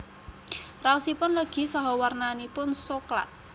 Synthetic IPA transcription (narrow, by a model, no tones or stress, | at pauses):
rausipʊnləɡ̥i̤sɔɦɔwarnanipʊnsokla̰t̪̚